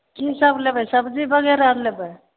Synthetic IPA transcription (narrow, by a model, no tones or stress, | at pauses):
kisəblebɛsəbd͡ʒibəɡɛɾalebɛ